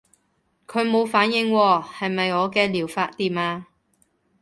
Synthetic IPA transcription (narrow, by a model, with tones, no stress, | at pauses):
kʰɵ˨˧ɥmo˨˧wfaː˨˥njɪ˧ŋwɔː˧˩hɐ˨jmɐ˨jɔː˨˧kɛː˧liː˨˩wfaː˧t̚t̪iː˨maː˧